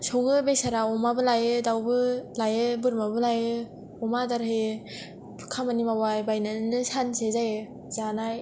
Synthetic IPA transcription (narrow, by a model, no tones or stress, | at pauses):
sɔŋɯbesaɾaɔmabɯlajɯdawbɯlajɯbɯɾmabɯlajɯ | ɔmadaɾɯe | kʰamanimawajbajnanɯsansezajɯ | zanaj